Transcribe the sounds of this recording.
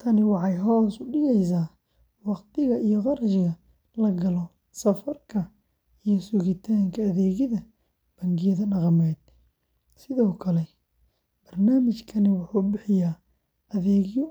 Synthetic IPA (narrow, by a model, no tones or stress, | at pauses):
t̪ʰɐnɪwɑħɑjɦɔːsʊɖɪɣɛjs̬aː | wɑqt̪ʰɪɣɐʔijɔqɑɾʃɪɣɐ | lɐɡɐlɔ | sɐfɐrkʰɐ | ijɔsʊɣɪt̪ʰaːŋkʰɐːðɛːɣɪðɐ | b̥ɐŋɡɪjɐðɐnɐqɑmɛːd̪̚ | sɪðɔːkʰɐlɛ | b̥ɐrnaːmɪt͡ʃkʰɐnɪwʊħuːbɪħɪjaː | ʔɐðɛːɣjɔ